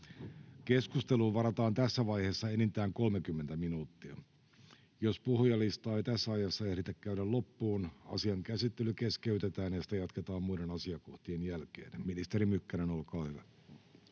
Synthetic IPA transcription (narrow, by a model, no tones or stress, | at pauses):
ke̞skust̪eluːʋɑɾɑt̪ɑːnt̪æsːæʋɑjheːsːɑenint̪æːŋko̞lmekymːent̪æminuːt̪ːiɑ̰ | jospohjɑlist̪ɑːejt̪æsːæɑjɑsːɑehɾit̪ekkæyɾællo̞pːuːnɑ̰siɑŋkæsit̪ːelykeskeyt̪et̪æːnjɑsi̥t̪æjɑt̪ket̪ɑːmmuidenɑsiɑkoht̪ienjælkḛːnminist̪eɾimykːæɾenolkɑːhyʋæ